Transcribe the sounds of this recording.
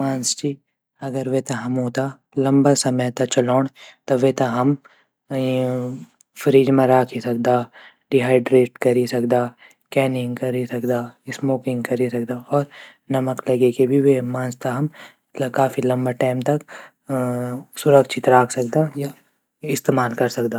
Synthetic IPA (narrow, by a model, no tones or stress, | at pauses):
mãːnst͡ʃi | ɐɡəɾʋet̪ɐɦɐmɦoːt̪a | lɐ̃mbasɐməjt̪ɐt͡ʃɐlɔːɽ̃t̪oʋet̪ɐɦɐm | fʰɾiːd͡ʒmẽɾaːkʰisɐk̚d̪aː | ɖiɦaːɪɖɾeːʈkɐɾisɐkd̪aː | kɛːnɪ̃ŋɡkɐɾisɐkd̪aːɪsmoːkɪ̃ŋɡkɐɾisɐkd̪aɔːɾ | nɐməklɐɡekebʱiʋemãːnd͡ʒt̪ʰaɦɐm | kaːfilɐ̃mbaʈaːɪmt̪ɐk | sʊɾəkʃɪt̪ɾaːkʰsɐkd̪aja | ɪst̪eːmaːlkɐɾsɐkd̪aː